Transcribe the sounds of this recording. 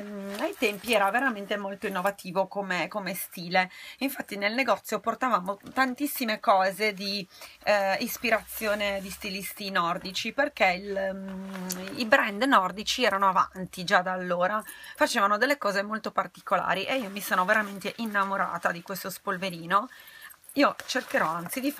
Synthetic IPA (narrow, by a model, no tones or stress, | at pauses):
ajt̪ɛmpiɛːɾaveɾament̪emolt̪oinːovat̪ʰiːvokomekomest̪iːleiɱfat̪ːinelneɡɔt̪sːjoport̪avaːmot̪ant̪isːimekɔːzed̪i | ispiɾat̪sːjoːned̪ist̪ilist̪inɔrd̪it͡ʃiperk̟eil | ibɾɛnd̪nɔrd̪it͡ʃiɛːɾanoava̰nt̪id͡ʒad̪aːlːoːɾafat͡ʃeːvanod̪elːekɔːzemolt̪opart̪i̥kola̰ːɾiʔeiːomisoːnoveɾament̪eʔinːamoɾa̰ːt̪ad̪ikwest̪ospolveɾiːno | iːot͡ʃerkeɾɔant̪sid̪i